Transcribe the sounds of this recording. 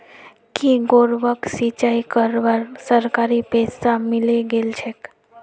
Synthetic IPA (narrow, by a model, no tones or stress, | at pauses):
kiɡoɾʋəksit͡ʃaikəɾʋaɾsəɾkaɾipessamileɡelt͡ʃʰek